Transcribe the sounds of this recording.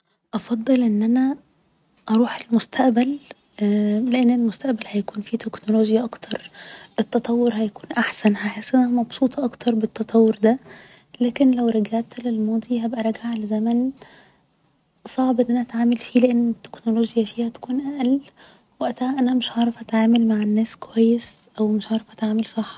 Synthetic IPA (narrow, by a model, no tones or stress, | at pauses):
ʔɑfɑd̪ˤːɨlʔenːʔænæ | ʔɑɾˤuːħelmʊst̪ʰæʔbæl | leʔenːelmʊst̪æʔbælhæjækuːnfit̪eknoloːʒjaʔɑkt̪ʰɑɾˤʔɪt̪ːɑt̪ˤɑwːoɾhæjækuːnʔaħsænhaħesːʔænæhæmɑbsˤuːt̪ˤʰɑʔɑkt̪ʰɑɾˤbɪt̪ːɑt̪ˤɑwːɾd̪æ | læːkenlæwɾˤɑɡaʕt̪lelmɑːd̪ˤiɦæbʔæɾˤɑɡaʕlezæmæn | sˤɑʕbʔenːʔænæʔæt̪ʕaːmælfiːleʔenːet̪ːe̥knoloːʒjæfiːhæt̪æ̥kuːnʔæʔæl | wæʔt̪ahæʔænæmɪʃʕɑːɾˤɑfʔæt̪ʕaːmælmaʕenːæːskowæjːesʔæwmeʃʕɑːɾˤɑfʔæt̪ʕaːmelsˤɑħː